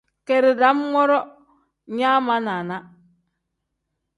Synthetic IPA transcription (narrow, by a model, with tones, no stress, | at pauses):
ke˨ɾi˨da˨˦mmɔ˦ɾɔ˦ | ɲa˦ma˦na˨na˦